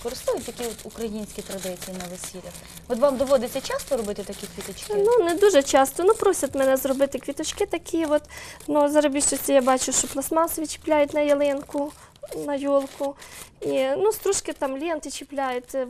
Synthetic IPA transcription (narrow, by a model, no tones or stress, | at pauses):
kɔɾɪst̪ujʊtʲjɐkʲiɔt̪ukɾɐjinʲsʲkʲit̪ɾɐd̪ɪt͡sʲijinɐʋesʲilʲɐx | ɔt̪ʋɑmd̪ɔʋɔd̪ɪt͡sʲɐt͡ʃɑst̪ɔɾɔbɪt̪ɪt̪ɐkʲikʋʲit̪ɔt͡ʃkɪnuned̪uʒɛt͡ʃɑst̪ɔnupɾɔsʲɐt̪mɛnɛzrɔbɪt̪ɪkʋʲit̪ɔt͡ʃkɪt̪ɐkʲʰiʋɔt̪nuzɐɾɐbʲiʃt͡ʃɔsʲɐjabɑt͡ʃʊʃt͡ʃɔplˠɐsmɑsʋʲit͡ʃɪ̥plʲajʊt̪ʲnɐjɐlˠɪnkʊ | nɐjɔlˠkʊinust̪ɾɔʃkɪt̪ɑmlʲint̪ɪt͡ʃɪplʲajʊt̪ʲ